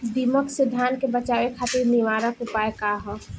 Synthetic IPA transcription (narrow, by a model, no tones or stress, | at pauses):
d̪iːməksɪd̪ʱːaːnkebət͡ʃaːwekʰaːt̪ɪɾnɪʋaːɾəkʊpaːekaɦɔ